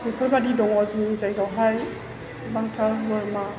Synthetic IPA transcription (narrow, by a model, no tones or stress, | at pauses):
bikʰɔjbadidɔŋɔziŋizajɡawɦaj | baŋtʰaɾɦuaɾma